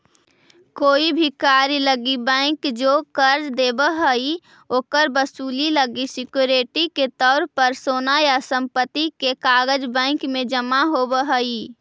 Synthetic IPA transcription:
koːibʱikaːɾiləɡibɛ̃ɪ̃kd͡ʒoːkəɾd͡ʒd̪eːbəɦəi | oːkəɾbəsuːliləɡisɪkjuɾeʈiket̪ɔːɾpəɾsoːnajasə̃mpət̪ːikekaːɡəd͡ʒbɛ̃ɪkmẽd͡ʒəmaɦobəɦəi

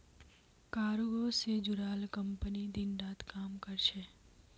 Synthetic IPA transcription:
kaːɾuɡosed͡ʒʊɾaːlkə̃mpənid̪ɪnɖaːt̪kaːmkəɾt͡ʃʰeː

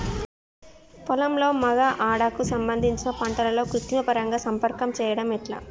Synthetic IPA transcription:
pɔlɐmlo̞ːmɐɡaʔaːɽakusɐmbɐnd̪ʱiɲt͡ʃinɐpɐɳʈɐlɐlo̞ːkɾut̪ːiŋɐpɐɾɐŋɡaːsɐmpɐɾkɐmt͡ʃɛːjɐɽɐmiʈla̰ː

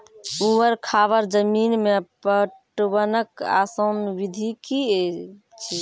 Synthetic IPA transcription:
uʋəɾkʰaʋəɾd͡ʒəminmepəʈwənəka̰sənʋid̪ʱikie | t͡ʃʰi

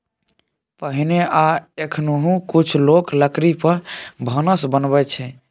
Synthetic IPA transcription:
pəɦineaekʰnoɦũkut͡ʃʰlokləkɾipəɾbʱənəsbənbɛt͡ʃʰɛ

